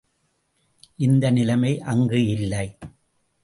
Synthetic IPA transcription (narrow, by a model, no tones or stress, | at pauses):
ʔɪnd̪ɐnɪlɐmɐɪʔɐŋɡɯɪlːɐɪ